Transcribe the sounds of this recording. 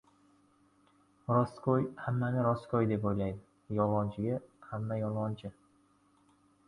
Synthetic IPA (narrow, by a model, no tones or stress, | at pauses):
ɾɒskʰojhamːanɪɾɒskʰojd̪e̞pojlajd̪ɪ | jɒlˠʁɒnt͡ʃʰɪɡʲahamːajɒlˠɒnt͡ʃʰɪ